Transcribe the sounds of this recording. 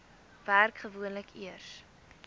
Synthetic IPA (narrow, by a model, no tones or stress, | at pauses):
værkχəvuənləkiərs